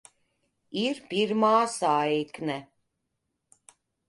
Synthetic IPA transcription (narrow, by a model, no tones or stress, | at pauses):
iɾpiɾmaːsaːiknɛ